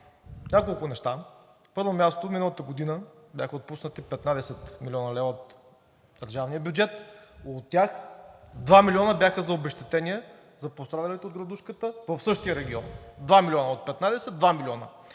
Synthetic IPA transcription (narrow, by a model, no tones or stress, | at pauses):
nʲakolˠkʊnɛʃt̪a | pɤɾvomʲjast̪ofminəlˠət̪əɡod̪inəbʲjaxəot̪̚pusnət̪ipɛt̪nad̪ɛsɛt̪milʲɔnəlɛvəot̪ | d̪̥əɾʒavnijəbʲjud͡ʒɛt̪ot̪ːʲaxd̪vamiliɔnəbjaxəzɐobɛʃt̪ɛt̪ɛniɛ | zɐpost̪ɾad̪ɐlit̪ɛod̪ɡɾɐd̪uʃkət̪əvɐfsɤʃt̪ijəɾɛɡʲiɔnd̪vamilʲɔnəot̪̚pɛt̪nad̪ɛsɛd̪d̪vamilʲiɔnə̰